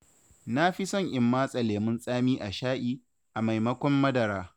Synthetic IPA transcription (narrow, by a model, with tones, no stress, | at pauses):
na˦ɸi˦sɔ˦˨ŋʔɪ˨mːaː˦sʼɐ˨leː˨mɪ˦nsʼaː˦miː˦ʔa˨ʃaː˦ʔiː˦ | ʔa˨ma˨jmɐ˦kʷɔ˦mːɐ˦dɐ˨ɾaː˦